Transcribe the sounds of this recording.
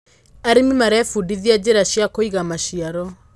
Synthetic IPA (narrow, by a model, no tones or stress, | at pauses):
aɾemimaɾɛfudiðiad͡ʑeɾaɕjakoiɣamaɕiaɾɔ